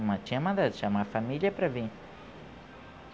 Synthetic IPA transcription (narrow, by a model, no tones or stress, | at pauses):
mɐ̃t͡ʃĩɐmɐ̃nd̪ad̪ʃamafamiliɐpɾɐvĩ